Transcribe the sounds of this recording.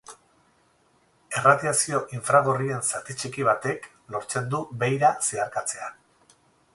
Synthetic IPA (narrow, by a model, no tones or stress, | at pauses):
e̞raðiasio̞ʔiɱfɾaɣ̞o̞rie̞nsat̪it͡ʃikiβ̞at̪e̞k | lo̞ɾt͡se̞nd̪ube̞jɾaseaɾkat͡se̞a